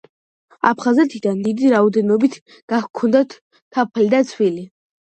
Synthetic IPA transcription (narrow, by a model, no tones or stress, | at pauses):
a̰pʰχazɛt̪ʰid̪and̪id̪iɾaɔd̪ɛnɔbit̪ʰ | ɡ̥ahkʰɔnd̪at̪ʰ | kʰapʰlid̪at̪sʰwili